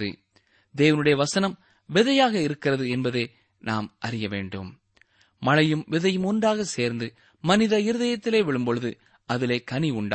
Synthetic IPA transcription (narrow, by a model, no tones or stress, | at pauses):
ðɯ̰ | d̪eːʋɐnɯɽɐjɐʋɐsɐnɐm | ʋɪðɐjaːɣɐɪɾɯkːɪrɐðɯɛnbɐðeː | naːmʔɐrɪjɐʋḛːɳɖɯ̰m | mɐlɐjɯmʋɪðɐjɯmʊndaːɣɐseːɾnd̪ɯ | mɐnɪðɐɪɾɯðɐjɐt̪ːɪleːʋɪɭɯmbɔɻɯðɯ | ʔɐðɪleːkɐniʊɳɖ